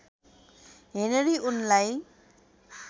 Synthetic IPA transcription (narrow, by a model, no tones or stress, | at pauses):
ɦeneɾiʔunlaj